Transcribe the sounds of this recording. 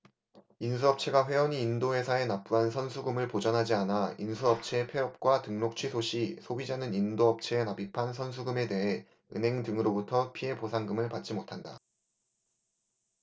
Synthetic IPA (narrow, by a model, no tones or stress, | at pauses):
insʰuʌp̚t͡ɕʰe̞ɡaɸwe̞wʌɲiːndoɦe̞sʰae̞nap͈uɦansʰʌnsʰuɡɯmɯɭpod͡ʑʌnɦad͡ʑianainsʰuʌp̚t͡ɕʰe̞pʰe̞ʌp̚k͈watɯŋnok̚t͡ɕʰɥisʰoɕʰisʰobid͡ʑanɯnindoʌp̚t͡ɕʰe̞ːnabipʰansʰʌns̬ʰuɡɯme̞de̞ɦe̞ | ɯ̰nɦe̞ŋdɯŋɯɾobutʰʌpʰie̞posʰaŋɡɯmɯɭpat̚t͡ɕ͈imotʰanda